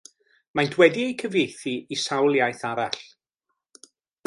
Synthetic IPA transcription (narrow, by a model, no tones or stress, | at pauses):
majndwɛdiejkʰəvejθiisawlˠjajθaɾaɬ